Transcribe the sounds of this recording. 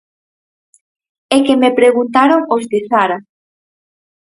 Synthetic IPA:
ekemepɾeɣunt̪aɾoŋozðɪsaɾa

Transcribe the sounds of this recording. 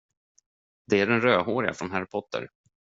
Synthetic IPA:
d̪ɛæɖɛnɾøːɦoːɾɪa̰fɾɔnɦæɾɪpʰɔt̪ːə̰ɾ

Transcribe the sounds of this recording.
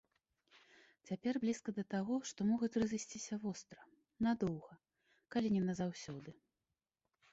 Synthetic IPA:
t͡sʲapʲɛrblʲiskɐd̪ɐt̪aɣɔʂt̪ɔmɔɣut͡sʲrɨzɨsʲt͡sʲisʲɐvɔst̪ɾɐ | nad̪ɔwɣɐ | kalʲinʲɛnɐzawsʲɔd̪ɨ

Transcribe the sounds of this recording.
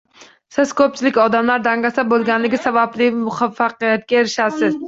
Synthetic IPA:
sɪz̥kʲʰøp̚t͡ʃʰilɪkʲɒd̪amlaɾd̪æŋɡæsɛbolˠɡʲænlɪɡʲɪsɛbæblɪmʊχɑfːɑqijat̪̚kʲɛeɾɪʃæsɪz̥

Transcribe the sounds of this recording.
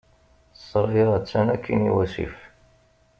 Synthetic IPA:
sˤɾˤiɾˤæt͡sːænækʰːinḭwæsḭf

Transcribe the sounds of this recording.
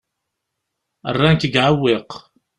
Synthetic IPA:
ə̰rˤːaŋkəɡʕawːiq

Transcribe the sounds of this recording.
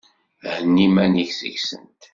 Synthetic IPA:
hənːimæniçsə̰çsə̰nt̪

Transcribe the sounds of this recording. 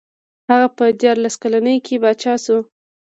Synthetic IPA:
haɣapəd̪jɑɾlaskalanəjkʰebɑt͡ʃɑsu

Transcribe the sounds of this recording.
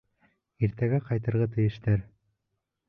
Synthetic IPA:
iɾt̪æɡæqɑjt̪ɤ̆ɾʁɑt̪̬ɘ̆jɘ̆ʃt̪æɾ

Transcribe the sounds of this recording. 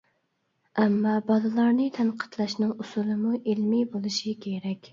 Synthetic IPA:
ɛmːɑbɑlɨlˠɑɾnɨt̪ʰɛnqʰə̥t̪lˠɑʃnɨŋusulˠɨmuʔelmibolˠɨʃikʲʰeɾɛkʲ

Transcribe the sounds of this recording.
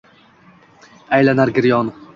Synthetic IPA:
ajlanaɾɡʲɪɾjɒn

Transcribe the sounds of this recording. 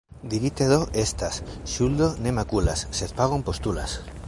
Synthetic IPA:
d̪iɾit̪eðoʔest̪asʃuld̪onemakulasːet̪paɣompost̪ula̰s

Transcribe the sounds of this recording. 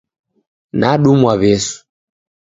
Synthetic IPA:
naɗumwaβɛsu̥

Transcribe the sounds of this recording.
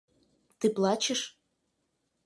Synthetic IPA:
t̪ɨplˠɑt͡ɕeʃ

